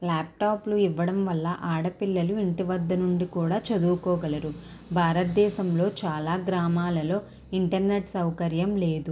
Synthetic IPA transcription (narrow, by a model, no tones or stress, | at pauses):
laːp̚ʈaːpluiʋːɐɽɐmʋɐlːɐʔaːɽɐpilːɐluiɳʈiʋɐd̪ːɐnuɳɖikuːɽaːt͡ʃɐd̪uːkɔːɡɐlɐɾu | bʱaːɾɐt̪̚d̪ɛːʃɐmlo̞ːt͡ʃaːlaːɡɾaːmaːlɐlo̞ː | iɳʈɐɾneʈsɐwkɐɾjɐmleːd̪u